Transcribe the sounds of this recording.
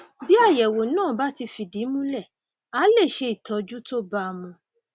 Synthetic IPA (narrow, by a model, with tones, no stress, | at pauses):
bi˦a˦˨jɛ˨wo˨nãː˦˨ba˦ti˧fi˨di˨˦mũ˦lɛ˦˨ | a˨˦le˦˨ʃe˧i˨tʰɔ˧d͡ʒu˦to˦ba˦˧mũ˧